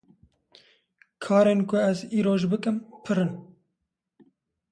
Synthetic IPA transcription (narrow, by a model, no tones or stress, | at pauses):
kʰɑːɾeːnkʰʊɛziːɾoːʒbɨkɨmpʰɨɾɨn